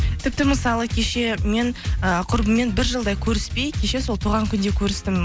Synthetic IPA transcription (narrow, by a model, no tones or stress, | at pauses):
t̪ʰɪp̚t̪ɪməsɑlˠəkʲʰe̞ʃe̞me̞ɴəqʰʊɾbəmːe̞nbɪɾʒəlˠd̪ɑjkʲʰɵɾɪspejkʲʰe̞ʃe̞so̞lˠt̪ʰuʁɑŋkʲʰʏnd̪e̞kʲʰɵɾɪst̪ɪm